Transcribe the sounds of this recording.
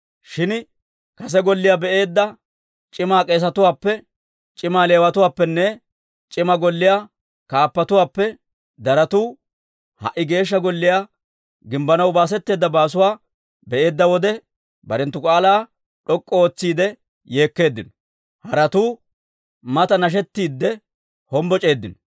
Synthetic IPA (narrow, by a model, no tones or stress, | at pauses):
ʃɪn | kɐs̬ɛɡɔlːɪjaːbɛʔe̞ːd̪ːɐ | t͡ʃʼɪmaːkʼe̞ːs̬ɐt̪ʊwaːpːɛ | t͡ʃʼɪmaːle̞ːwɐt̪ʊwaːpːɛnːɛ | t͡ʃʼɪmɐɡɔlːɪjaː | kaːpːɐt̪ʊwaːpːɛ | d̪ɐɾɐt̪uː | hɐ̰ʔːɪɡe̞ːʃ̬ːɐɡɔlːɪjaː | ɡɪmbɐnɐwbaːs̬ɛt̪ːe̞ːd̪ːɐbaːs̬ʊwaː | bɛʔe̞ːd̪ːɐwɔd̪ɛ | bɐɾɛnt̪ːʊkʼaːlaː | ɗɔkʼːɔoːt͡sːiːd̪ɛ | je̞ːkːe̞ːd̪ːɪnɔ | hɐɾɐt̪uː | mɐt̪ɐnɐʃ̬ɛt̪ːiːd̪ːɛ | hɔmbɔt͡ʃʼe̞ːd̪ːɪnɔ